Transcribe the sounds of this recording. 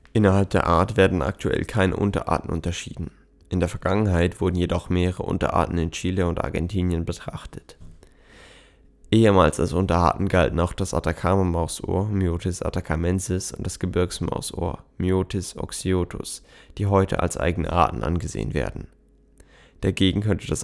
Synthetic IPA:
ʔɪnɐɦalp̚d̥eːɐʔaːɐtv̥eːɐdn̩ʔa̰k̚tʰuʔɛ̰lkʰaɪnə̰ʔʊntɐ̰ʔa̰ːtn̩ʔʊ̰ntɐʃḭːdn̩ | ʔɪndeːɐfɛɐɡaŋənɦaɪtv̥ʊɐdn̩jedɔχmeːʁəʁə̰ʔʊ̰ntɐ̰ʔa̰ːtn̩ɪnt͡ʃiːləʊnta̰ɐɡɛ̰ntʰiːnjənbətʁ̥aχtʰət | ʔeːəmaːlsalsʔʊntɐʔa̰ːtn̩ɡaltn̩aʊxd̥asʔa̰takʰaːmamaʊsʔo̰ːɐmjoːtɪsʔa̰takʰamɛnzɪsʊ̰nt̚d̥asɡ̥əbɪɐksma̰ʊsʔo̰ːɐmjoːtʰɪsʔɔ̰ksioːtʰʊ̰sd̥iːɦɔʏtʰə̰ʔa̰lsʔa̰ɪɡənə̰ʔa̰ːtn̩ʔa̰nɡəzḛːə̰nvḛːɐdn̩ | d̥aɡeːɡŋ̩kʰœntəd̥as

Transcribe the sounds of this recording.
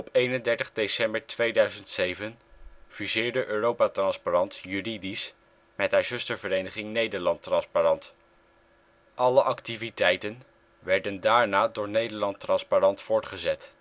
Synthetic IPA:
ɔpejnəndɛɹtəχdejsɛmbəɹtʋejdœɥzəntsejvənv̥izɪːɹdəʔøːrowpatrɑnsparɑntjyridis | mɛtɦaːɹzɵstəɹvəɾejnəχɪŋnejdəɹlɑntrɑnsparɑnt | ʔɑləʔɑktivitɛjtən | ʋɛɹdəndaːɹnaːdʊːɹnejdəɹlɑntrɑnsparɑntfʊːɹtχəzɛt

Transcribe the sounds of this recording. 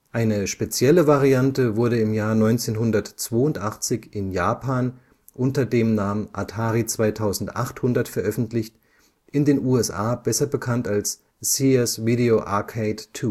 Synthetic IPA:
ʔaɪnəʃpet͡sjɛləvaʁiantəvʊɐɾəɪmjaːɐnɔʏnt͡seːnɦʊndɐtt͡sv̥oːʊntʔaχt͡sɪçʔɪnjaːpʰaːn | ʔʊntɐdeːmnaːmənʔatʰaːʁit͡sv̥aɪtʰaʊzn̩tʔa̰χthʊndɐtfɛɐʔœfn̩tlɪçt | ʔɪndeːnʔuːɛsʔa̰ːbɛsɐbəkʰantals | siɛsviɾeoʔa̰kʰeɪttʰːuː

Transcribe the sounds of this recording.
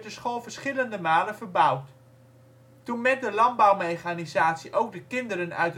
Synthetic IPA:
dəsχoːlˠvəɹsχɪləndəmaːlənvəɹbʌwt | tunmɛt̚dəlɑnbɑwmejχanizaːtsiʔowɡ̚dəkɪndəɾənœ̰ɥt

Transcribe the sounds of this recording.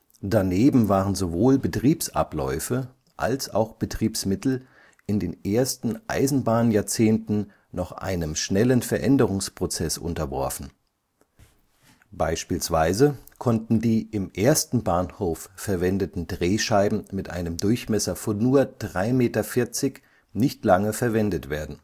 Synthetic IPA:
d̥aneːbm̩vaːʁənzovoːlbətʁ̥iːpsʔa̰plɔ̰ʏfə | ʔa̰lsa̰ʊxb̥ətʁ̥iːpsmɪtl̩ | ʔɪndeːnʔeːɐstn̩ʔa̰ɪzn̩baːnjaːɐt͡seːntn̩ | nɔχʔa̰ɪnəmʃnɛlənfɛɐʔɛndəʁ̞ʊŋspʁ̥ot͡sɛsʔʊ̰ntɐvɔ̰ɐfn̩ | b̥aɪʃpiːlsv̥aɪzəkʰɔntn̩diːʔɪmʔeːɐstn̩baːnhoːfːɛɐvɛndətn̩dʁeːʃaɪbm̩mɪtʔa̰ɪnəmdʊɐçmɛsɐfɔnːuːɐd̥ʁaɪmeːtɐfɪɐt͡sɪç | nɪçtlaŋəfɛɐvɛndətv̥eːɐdn̩

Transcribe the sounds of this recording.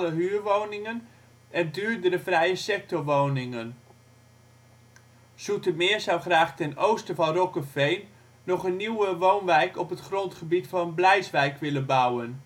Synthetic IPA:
ləɦyːrʋownɪŋən | ɛndyːrdəɾəfrɛjəsɛk̚tɔʋoːnɪŋən | sutəmɪːzawχraːχtɛnowstəvɑnrɔkəfejnː | ɔχənːiwəʋoːnʋɛjkɔpətχrɔntχəbitfɑnənblɛjsʋɛjkʋɪlənbawən

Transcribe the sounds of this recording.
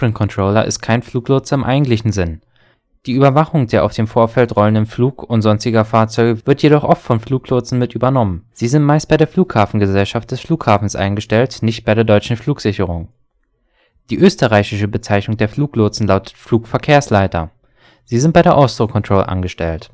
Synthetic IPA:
ʁənkʰɔntʁ̥oːlɐ̰ʔɪ̰st̚kʰaɪnfluːklʊɐt͡sɪmʔa̰ɪɡŋ̩tlɪçn̩zɪn | d̥iːyːbɐvaχʊŋdeːɐʔaʊfd̥eːmfoːɐfɛltʁɔləndənfluːkʊntz̥ɔnstɪɡɐfaːɐt͡sɔʏɡəv̥ɪɐtjeɾɔχʔɔftfɔnfluːklʊt͡sn̩mɪtʔyːbɐnɔmənz̥iːzɪntmaɪst̚b̥aɪɾeːɐfluːkhaːfn̩ɡəzɛlʃaft̚d̥ɛsfluːkhaːfn̩sʔa̰ɪnɡəʃtɛltnɪçt̚b̥aɪɾeːɐdɔʏt͡ʃn̩fl̥uːkz̥ɪçəʁ̞ʊŋ | d̥iːʔøːstəʁaɪçɪʃəbət͡saɪçnʊŋdeːɐfluːklʊt͡sn̩laʊtə̥tfluːkfɛɐkʰeːɐslaɪtɐ̰ | z̥iːzɪntb̥aɪɾeːɐʔɔstʁokʰɔntʁ̥oːlɐ̰ʔa̰nɡəʃtɛlt

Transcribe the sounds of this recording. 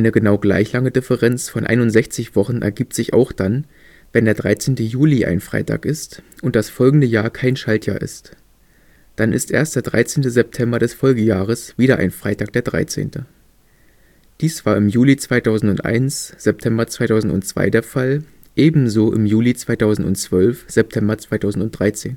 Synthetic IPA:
aɪnəɡənaʊɡla̰ɪçlaŋədɪfəʁɛnt͡sfɔnʔa̰ɪnʊntz̥ɛçt͡sɪçv̥ɔχn̩ʔɛ̰ɐɡiːp̚tz̥ɪçʔa̰ʊxd̥an | vɛndeːɐdʁaɪt͡seːntəjuːliʔa̰ɪnfʁ̥a̰ɪtʰa̰ːkɪstʔʊnt̚d̥asfɔlɡŋ̩dəjaːɐkʰaɪnʃaltʰja̰ːɐʔɪ̰st | d̥anʔɪ̰stʔḛːɐstd̥eːɐdʁa̰ɪt͡seːntəzɛp̚tʰɛmbɐɾɛsfɔlɡəjaːʁ̞əsv̥iːɾɐʔa̰ɪnfʁ̥aɪtaːk̚d̥eːɐdʁa̰ɪt͡sḛːntə | d̥iːsv̥aːɐɪmjuːlit͡sv̥aɪtʰaʊzn̩tʊntʔa̰ɪnsz̥ɛp̚tʰɛmbɐt͡sv̥aɪtʰaʊzn̩tʊnt͡sv̥a̰ɪdeːɐfal | ʔeːbm̩zoːʔɪmjuːlit͡sv̥aɪtʰaʊzn̩tʊ̰nt͡sv̥œlfz̥ɛp̚tʰɛmbɐt͡sv̥aɪtʰaʊzn̩tʊntd̥ʁaɪt͡seːn

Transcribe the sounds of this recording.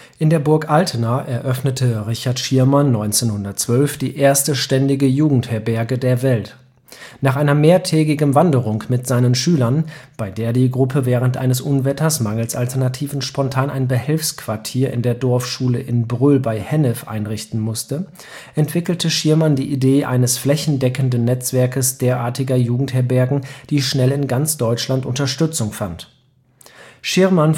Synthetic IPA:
ʔɪndeːɐbʊɐkʔaltʰənaʔɛɐʔœfnətʰəʁɪçaɐtʃiɐmanːɔ̃ʏnt͡seːnhʊndɐt̚t͡sv̥œlfd̥ḭːʔeːɐstəʃtɛndɪɡəjuːɡŋ̩thɛːɐbɛɐɡədeːɐvɛlt | naːχʔaɪnɐmeːɐtʰɛːɡɪɡn̩vandəʁ̞ʊŋmɪtz̥aɪnənʃyːlɐnb̥aɪdeːɐdiːɡʁʊpʰəvɛːʁ̞əntʔa̰ɪnəsʔʊnvɛtʰɐsmaŋl̩saltʰɛɐnatʰiːvn̩ʃpɔntʰaːnʔaɪnbəhɪlfskv̥aɐtʰiːɐʔɪ̰ndeːɐdɔɐfʃuːləʔɪnbʁʏlbaɪhɛnɛfʔa̰ɪnʁɪçtn̩mʊstə | ʔɛntv̥ɪkl̩tʰəʃɪɐmandiːʔideːʔa̰ɪnəsflɛçn̩dɛkən̩dənːɛt͡sv̥ɛɐkəsd̥eːɐʔaːɐtɪɡɐjuːɡŋ̩thɛɐbɛɐɡŋ̩d̥iːʃnɛlɪnɡant͡sd̥ɔʏt͡ʃlantʔʊntɐʃtʏt͡sʊŋfant | ʃɪɐman

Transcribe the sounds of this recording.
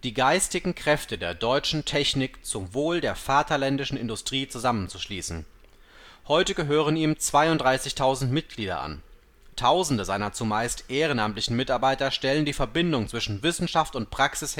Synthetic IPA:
d̥iːɡaɪstɪɡŋ̩kʁ̥ɛftədeːɐdɔʏt͡ʃn̩tʰɛçnɪkt͡sʊmvoːldeːɐfaːtʰɐlɛndɪʃn̩ɪ̰ndʊstʁ̥iːt͡suzamənt͡suʃliːsn̩ | hɔʏtəɡəɦøːʁ̞əniːmt͡sv̥aɪʊntd̥ʁaɪsɪçtʰaʊzn̩tmɪt̚ɡ̥liːdɐ̰ʔa̰n | tʰaʊzn̩dəzaɪnɐt͡sumaɪstʔeːʁ̞ənʔamtlɪçn̩mɪtaɐbaɪtɐʃtɛləndiːfɛɐbɪndʊŋt͡sv̥ɪʃn̩vɪsn̩ʃaftʊnt̚pʁ̥aksɪs

